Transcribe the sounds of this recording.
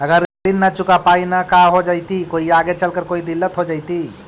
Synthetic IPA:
əɡəɾɾinːət͡ʃʊkapainakaɦod͡ʒaɪt̪ikoːiaɡet͡ʃəlkəɾkoid̪ilːət̪ɦod͡ʒaɪt̪i

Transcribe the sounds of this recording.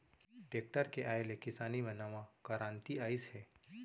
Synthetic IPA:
ʈeːk̚ʈəɾkeʔaːelekɪsaːnibɐnaːʋãkəɾãːnt̪iaːɪshɛː

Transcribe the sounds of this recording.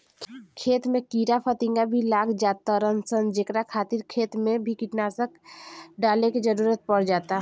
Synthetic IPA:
kʰeːt̪mẽkiːɾapʰət̪ɪ̃ŋɡabʱilaːɡd͡ʒaːt̪aɔɾənsənd͡ʒekɾakʰaːt̪ɪɾkʰeːt̪mẽbʱikɪʈnaːsəkɖaːlekid͡ʒəɾuːɾət̪̚pəɽd͡ʒaːt̪a

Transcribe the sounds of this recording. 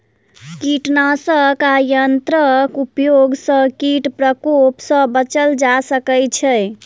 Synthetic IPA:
kiʈnasəkajənt̪ɾəkupjoɡsə̃kiʈpɾəkopsə̃bət͡ʃəld͡ʒasəkɛt͡ʃʰɛ

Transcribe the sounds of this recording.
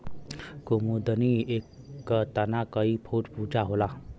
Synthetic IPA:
komod̪əniekː | ət̪ənakʌipʰoʈpud͡ʒaɦola

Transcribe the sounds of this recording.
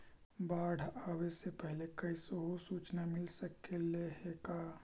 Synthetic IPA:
baːɽ̤ʱawesepɛɦlekɐisoɦosuːt͡ʃnamɪlsəkeleɦekaː

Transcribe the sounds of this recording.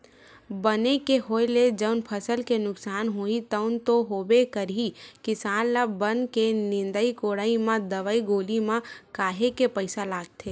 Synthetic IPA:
bənekeɦoːeled͡ʒəʊnpʰəsəlkenʊksaːnɦoːit̪əʊnt̪oɦoːbekəɾɦikɪsaːnlabənkenɪ̃nd̪əikoːɽaːimãd̪əʋəiɡoːlimãkaːɦekepəɪsalaːɡ̚t̪ʰe

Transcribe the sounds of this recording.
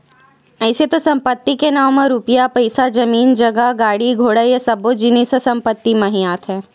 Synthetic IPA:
ɛːset̪osɐ̃mpət̪ːikenaːmmɐ̃ɾupijapɐɪsad͡ʒɐmiːnd͡ʒɐɡəɡaːɽiɡʱoːɽəjasɐbod͡ʒineːsəsɐ̃mpət̪ːimɐ̃ɦĩjaːt̪ɦɛ̃ː

